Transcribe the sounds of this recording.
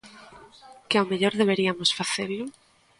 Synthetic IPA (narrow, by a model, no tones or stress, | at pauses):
kɪawmeʎoɾðeβ̞eɾiamosfaθelʊ